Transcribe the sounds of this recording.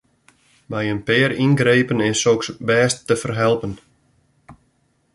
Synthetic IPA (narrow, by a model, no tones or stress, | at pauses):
bɛjənpɪːəɾinɡrejpənɪsoksbɛːstːəfərɦɛlˠpən